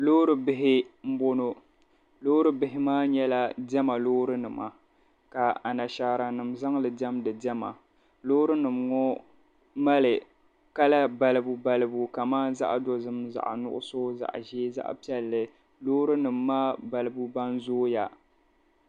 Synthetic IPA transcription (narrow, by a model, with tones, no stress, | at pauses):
loː˦ɾɨ˨bɪ˦ɦɪ˦m̩˦bo˦no˦ | lo˦ɾɨ˦bɪ˦ɦɪ˦maː˦ɲɛ˦la˦dɛ˦ma˨loː˦ɾɨ˦nɨ˨ma̰˨ | ka˨a˨na˨ʃaː˨ɾa˨nɨ˨mza˦ŋlɨ˨dɛ˦mdɨ˨dɛ˦ma̰˨ | loː˦ɾɨ˦nɨ˨mŋɔ˦ | ma˦lɨ˨ | ka˦la˦ba˦lɨ˦bu˦ba˦lɨ˦bu˦ka˨maː˦n˦za̰˦ʔdo˨zɨ˦mza̰˨ʔa̰˨nʊ̰˦ʔʊ̰˦so˦za̰˨ʔʒe˦za̰˦ʔpi˦ɛ˨lːɨ˨ | lo˦ɾɨ˦nɨ˨mːaː˦ba˨lɨ˦bu˦ba˦nzoː˦ja˨